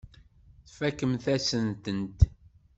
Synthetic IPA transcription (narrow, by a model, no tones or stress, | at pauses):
θfækːəmθæsənt̪ənt̪